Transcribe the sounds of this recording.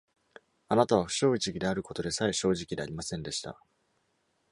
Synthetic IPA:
anat̪aβ̞aɸɯ̟̥ɕo̞ːit͡ɕiɡʲid̪e̞aɾɯ̟ko̞t̪o̞d̪e̞saiɕo̞ːʑikʲid̪e̞aɾʲimasẽ̞nd̪e̞ɕi̥t̪a̰

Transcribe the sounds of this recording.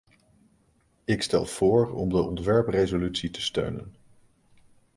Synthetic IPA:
ɪkstɛ̰lˠv̥ʊːɹɔ̰mdəʔɔntʋɛɹprejzolytsitə̥stø̰ɥnə̰n

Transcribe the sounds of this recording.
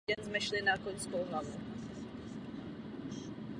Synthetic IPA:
ɛnzmɛʃlɪnakoɲskowɦlavu

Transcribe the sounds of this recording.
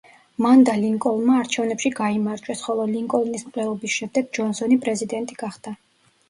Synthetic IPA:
mand̪aliŋkʼɔlˠmaːɾt͡ʃʰɛvnɛpʃiɡaimaɾt͡ʃʼwɛsχɔlˠɔliŋkʼɔlnismqʼlɛɔbisʃɛmd̪ɛɡd͡ʒɔnsɔnipʼɾɛzid̪ɛnt̪ʼiɡ̥aχd̪̥a

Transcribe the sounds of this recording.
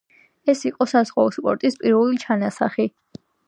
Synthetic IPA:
ɛsiqʼɔsazʁwaɔspʼɔ̰ɾt̪ʼispʼiɾvɛlit͡ʃʰanasaχi

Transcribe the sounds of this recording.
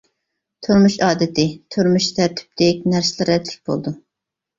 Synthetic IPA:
t̪ʰoɾmuʃɑːd̪ɪt̪ʰɪt̪ʰøɾmyʃt̪ʰæɾt̪ʰɪ̥p̚t̪ʰɛkʲnæɾsɪlˠɨɾɛt̪ʰlɪ̥k̚ʲb̥o̰lˠd̪u

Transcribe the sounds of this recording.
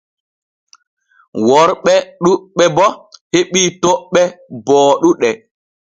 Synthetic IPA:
wɔɾɓɛɗuɓɛbɔheɓiːtoɓːɛbɔːɗuɗɛ

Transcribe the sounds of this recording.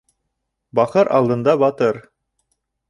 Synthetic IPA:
bɑχɤɾʔɑ̰lˠd̪ɤ̆nd̪ɑbɑt̪ɤɾ

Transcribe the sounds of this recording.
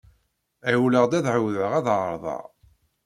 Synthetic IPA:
æwləʁd̪æðʕəwðʕəʁæðʁəɾˤðˤɑ̰

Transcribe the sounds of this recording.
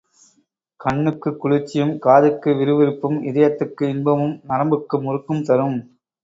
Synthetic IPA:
kɐɳːɯkːɯkːʊɻɯt͡ʃːɪjɯmkaːðɯkːɯʋɪɾɯʋɪɾɯpːɯmɪðɐjɐt̪ːɯkːɯɪnbɐmɯmnɐɾɐmbɯkːɯmʊɾɯkːɯmt̪ɐɾɯm

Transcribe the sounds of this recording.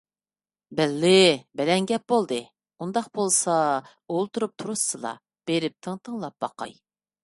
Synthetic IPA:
bɛlːɪbɛlɛnɡʲɛp̚bolˠd̪ɨ | und̪ɑqbolˠsɑ | olˠt̪ʰuɾup̚t̪ʰuɾusːɨlˠɑ̰ | b̥eɾɪp̚t̪ʰəŋt̪ʰəŋlˠɑp̚b̥ɑqɑ̰j

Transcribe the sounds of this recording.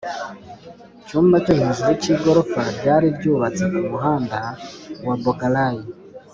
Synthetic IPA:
cuːmbacohiziɾeciɡo̞ɾofaɾɟaːɾiɾɟuːβat͡sekumuɦaːndawabokalaji

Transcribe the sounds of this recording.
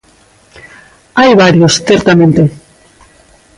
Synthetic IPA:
ajβaɾiosθeɾt̪ame̞nt̪e

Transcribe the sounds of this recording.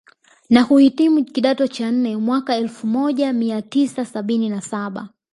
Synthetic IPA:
nahuhitimukiɗatɔt͡ʃan̩nɛmwakaɛlfumɔʄamiatisasaɓininasaɓa̰

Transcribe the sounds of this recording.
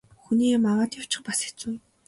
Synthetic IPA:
xuniːmaʁaːt̪jaw̥t͡ɕɪ̆χpase̥t͡suː

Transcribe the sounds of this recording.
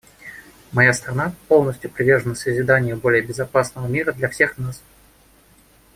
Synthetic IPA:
mɐjast̪ɾɐnapo̞lˠnəsʲtʲjʊpɾʲɪvʲe̞rʐənəsəzʲɪd̪anʲɪjəbo̞lʲɪjəbʲɪzɐpasnəvəmʲiɾəd̪lʲɐfsʲe̞xnas

